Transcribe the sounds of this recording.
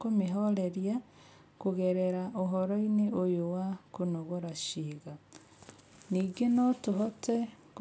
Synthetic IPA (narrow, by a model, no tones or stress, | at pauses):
kumiɦoleɾja | kuɣeɾeɾaʔoɦoɾoineʔojowakunoɣoɾaʃiːɣa | niɡenotuɦotʰek